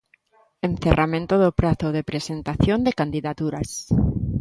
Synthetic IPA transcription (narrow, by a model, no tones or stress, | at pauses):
ẽnθerʔamẽnt̪oðopɾaθoðepɾesent̪aθjond̪ekand̪iðat̪uɾas